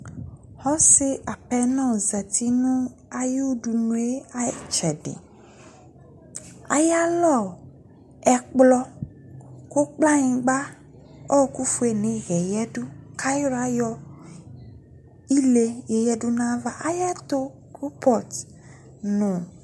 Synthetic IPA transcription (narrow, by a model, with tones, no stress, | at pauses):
hɔ˦se˦ʔa˨pɛ˦nɔ̃˦˨zɛ˨t̪ʰi˦nũ˦ | a˨ju˦ɖu˨nũ˦e˦a˦˨t͡ʃɛ˨ɖḛ˨ | a̰˨ja˦lɔ˦˨ | ɛ˨k͡plɔ˦ | ko˦k͡pla˦ɲĩ˨ɡ͡ba˦ | ɔ˦˨ku˦fu˦e˨nẽ˨˦ɣɛ˨jɛ˦ɖu˦ka˦jɾa˦jɔ˦ | i˦le˨je˨jɛ˦ɖu˦nã˦va˦ʔa˦ja˦t̪o˦ | ku˦pɔ˨t̪ | nũ˨